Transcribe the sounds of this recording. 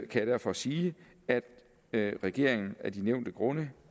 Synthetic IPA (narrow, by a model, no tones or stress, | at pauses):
kʰæjɾ̥æɐ̰fɒ̽siː | æd̥ | ʁɛɡ̥e̝ɐ̰e̝ŋn̩æɐd̥ineʊ̰nd̥əɡ̥ʁɔ̽nə